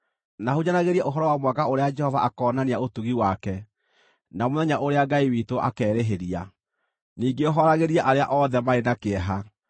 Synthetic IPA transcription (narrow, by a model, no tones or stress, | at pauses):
nahuɲanaɣeɾiɛʔoɦɔɾɔwamwakaoɾead͡ʒɛhɔvaʔakɔːnaneaotuɣiwakɛ | namoðɛɲaʔoɾeaɡaiwitoʔa̰kɛːɾeɦeɾia | niːɡeɔɦɔɾaɣeɾiɛʔaɾea̰ʔɔðɛmaenakeɛɦa